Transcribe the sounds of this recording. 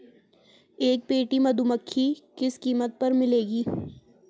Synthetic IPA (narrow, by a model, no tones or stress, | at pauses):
eːk̚peːʈimɐd̪uməkʰːikɪskiːmət̪̚pɐɾmɪleːɡiː